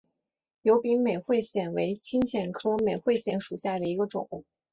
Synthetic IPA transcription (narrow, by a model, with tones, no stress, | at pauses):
jo˧˥ʊpi˧˥ŋme˨˩ɪxwe˥˩ɪɕjɛ˨˩nwe˧˥ɪt͡ɕʰi˥ŋɕjɛ˨˩nkʰɤ˥me˨˩ɪxwe˥˩ɪɕjɛ˧˥nʂu˨˩ɕja˥˩d̪ə˩i˧˥ɡə˧ʈ͡ʂʊ̰˨˩˦ŋ